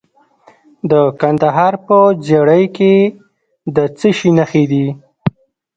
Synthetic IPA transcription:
d̪əkand̪aɦɑɾpəd͡ʒeɽəjke | d̪ət͡səʃinaxed̪i

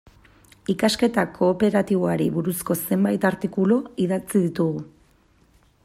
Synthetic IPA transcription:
ikaske̞t̪akʰo̞ːpe̞ɾat̪iβoaɾḭβuɾusko̞se̞mbajt̪aɾt̪ikuloiðat͡siðit̪uɣu

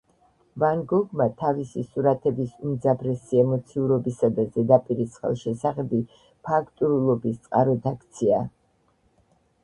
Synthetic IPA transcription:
vanɡɔɡmat̪ʰavisisuɾat̪ʰɛbisumd̪zabɾɛsiɛmɔt̪sʰiuɾɔbisad̪azɛd̪apʼiɾisχɛ̰lˠʃɛsaχɛbi | pʰakʰt̪ʼuɾulˠɔbist̪sʼqʼaɾɔd̪akʰt̪sʰia

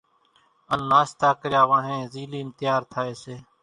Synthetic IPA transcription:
ənːaːst̪aːkəɾjaːʋãːɦẽːziːliːɪnt̪ɪjaːɾt̪ʰaːeːseː

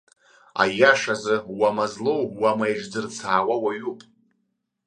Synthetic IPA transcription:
a̰jaʂazɨwamazlowwamajʐd͡zɨrt͡sʰaːwawaɥupʼ

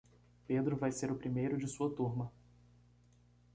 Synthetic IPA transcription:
ped̪ɾʊvajseɾʊpɾimejɾʊd͡ʒɪsuɐt̪uɾmɐ

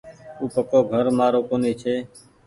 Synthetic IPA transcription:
uːpəkoːɡʱəɾmaːɾoːkoːniːt͡ʃʰeː

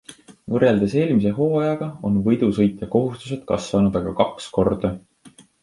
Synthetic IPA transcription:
vɤre̞ld̪e̞se̞ːlmis̬e̞ɦo̞ːɑjɑɡ̥ɑo̞̰nvɤjd̪̥usɤ̞jt̪jɑko̞ɦust̪use̞d̪̥̚kɑ̰sːvɑnud̪̥ɑɡ̥ɑkɑksko̞rd̪̥ɑ

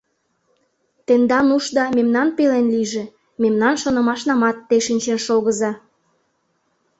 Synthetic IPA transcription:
t̪end̪ɑnuʃd̪ɑmemnɑnpelenliʒĕ | memnɑnʃonɤ̆mɑʃnɑmɑt̪ːeʃinʲt͡ɕenʃoɣə̆zɑ

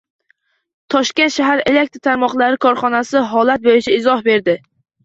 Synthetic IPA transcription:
t̪ʰɒʃkʲent̪ʃaɦaɾele̞k̚t̪ɾt̪ʰaɾmɒqlˠaɾɪkʰɒɾχɒnasɪɦɒlat̪̚bojɪt͡ʃʰaɪzɒhbe̞ɾd̪ɪ

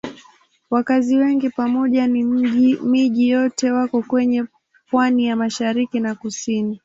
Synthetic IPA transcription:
wakaziwɛŋɡipamɔʄanimiʄijɔtɛwakɔkwɛɲɛ | pwanijamaʃaɾikinakusini

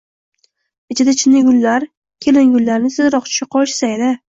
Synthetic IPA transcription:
ɪt͡ʃʰɪd̪at͡ʃʰɪnnːɪɡʲʊlːaɾ | kʲʰelɪnɡʲʊlːaɾnɪsɪzɾɒq̚t͡ʃʰʊ̥ʃɪqʰɒʃsaed̪ɪ

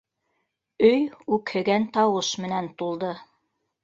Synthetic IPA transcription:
ɵjʉkhɘ̆ɡænt̪ɑwɤʃmɘ̆nænt̪ulˠd̪ɤ

